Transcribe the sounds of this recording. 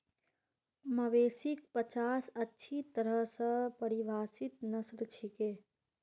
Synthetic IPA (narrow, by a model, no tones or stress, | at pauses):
məʋesik̚pət͡ʃasətːʃʰit̪əɾəɦsə̃pəɾiʋʱaːsit̪nəsɾt͡ʃʰike